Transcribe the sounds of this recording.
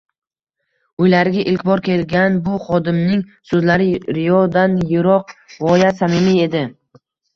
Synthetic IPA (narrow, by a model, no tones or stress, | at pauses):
ʊjlaɾɪɡʲaʔɪlkʲbɒɾkʲʰe̞lɡʲanbʊχɒd̪ɪmnɪŋsɵzlaɾɪɾɪjɒd̪anjʊɾɒqvɒjasamɪmie̞d̪ɪ